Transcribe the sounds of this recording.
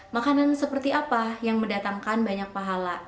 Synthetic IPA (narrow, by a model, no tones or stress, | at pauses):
makanansəpərt̪iʔapajaŋməndat̪aŋkanbaɲak̚paɦala